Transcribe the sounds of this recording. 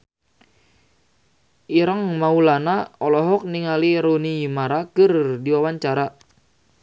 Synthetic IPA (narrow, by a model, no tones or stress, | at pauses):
ʔiɾəŋmaulanaɔlɔɦɔk̚niŋaliɾoniimaɾakɨrdiwawaɲt͡ʃaɾa